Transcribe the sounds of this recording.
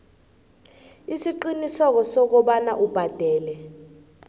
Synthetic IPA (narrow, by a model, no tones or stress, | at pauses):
isiǃinisɔk̬ɔsɔk̬ɔɓanaʔub̥ʱad̥ʱɛːlɛ